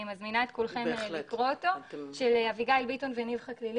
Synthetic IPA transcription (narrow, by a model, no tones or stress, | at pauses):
imazminaetkulχemikʁooto̞ʃelaviɡajlbito̞nvenivχaklil